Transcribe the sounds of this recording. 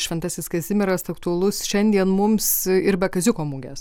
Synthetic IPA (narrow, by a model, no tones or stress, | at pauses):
ʃʲʋʲɛnt̪ɑsʲɪskɐzʲɪmʲɛɾɐst̪ɐkt̪uɐlˠʊsʃʲɛnʲd̪ʲiɛnmʊmsɪɾbʲɛkɐzʲɪkoːmuːɡʲɛs